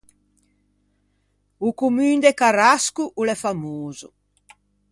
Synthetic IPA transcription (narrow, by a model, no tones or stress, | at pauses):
ukumyːnd̪ekaɾaskuʔulɛfamoːzu